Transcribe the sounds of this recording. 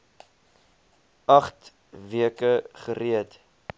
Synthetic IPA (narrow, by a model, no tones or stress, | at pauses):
ɐχt | viəkəχəɾiət